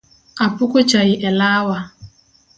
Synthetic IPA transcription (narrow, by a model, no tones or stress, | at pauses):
apʊkʊt͡ʃajɪʔɛlawa